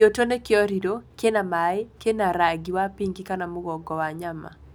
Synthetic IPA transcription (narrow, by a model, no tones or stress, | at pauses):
otonekɪɔɾidokenamaɪkenaɾaɡiwapiŋɡikanamʊɡɔɡɔwaɲama̰